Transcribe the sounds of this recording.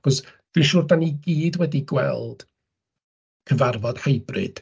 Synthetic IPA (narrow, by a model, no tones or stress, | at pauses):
χɔsd̥inʃuːrdaniɡiːdwɛdiɡwɛ̰lˠd̥ | kʰəvarvɔd̥hejbrɨ̰d̥